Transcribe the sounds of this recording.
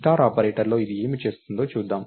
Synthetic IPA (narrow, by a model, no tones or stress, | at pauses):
ʈaːɾaːpɐɾeːʈɐɾlo̞ːid̪ie̞ːmit͡ʃe̞ːst̪und̪o̞ːt͡ʃuːd̪ːaːm